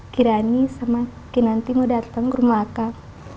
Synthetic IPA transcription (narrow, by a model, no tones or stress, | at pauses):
kiɾanisamakinant̪imodat̪əŋkɾumaka